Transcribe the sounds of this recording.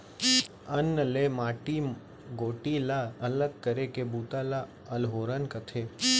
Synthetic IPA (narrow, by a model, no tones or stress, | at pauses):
ənːəlemaʈi | ɡoːʈilaələɡ̚kəɾekebut̪ala | əlɦoɾənkət̪ʰe